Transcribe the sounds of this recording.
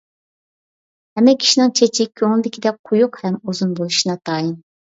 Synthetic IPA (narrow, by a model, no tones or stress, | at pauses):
hɛmːɛkʲʰi̥ʃinɪŋt͡ʃʰet͡ʃʰɪkʲʰøŋlˠɪd̪ɪkʲid̪ɛk̚qʰʊjuqhɛmuzunbolˠuʃinɑt̪ʰɑːjin